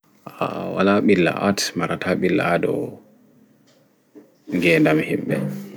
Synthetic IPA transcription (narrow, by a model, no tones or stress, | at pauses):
awalaɓilːa̰ʔatmaɾatʰaɓilːa̰dɔ | ŋɡɛndamhimɓɛ